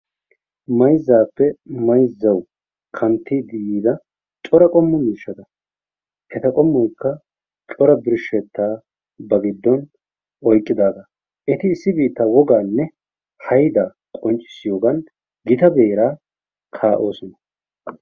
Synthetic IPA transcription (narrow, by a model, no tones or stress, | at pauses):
mɐjzːaːpːɛmɐjzːɐw | kʰɐnt̪ʰːid̪ɪjiːd̪ɐ | t͡ʃʼɔɾɐkʼɔmːʊmiːʃːɐd̪ɐ | ʔɛt̪ɐkʼɔmːɔjkːɐ | t͡ʃʼɔɾɐbɪɾʃɛt̪ːaː | bɐɡɪd̪ːɔn | ʔɔjkʼːɪd̪aːd̪ɐ | ʔɛt̪ɪːsːɪbiːt̪ːaːwɔɡaːnːɛ | hɐjd̪ɐ | kʼɔnt͡ʃʼːɪ̥sːɪjoːɡɐn | ɡɪt̪ɐbe̞ːɾaː | kʰaːʔo̞ːsɔnɐ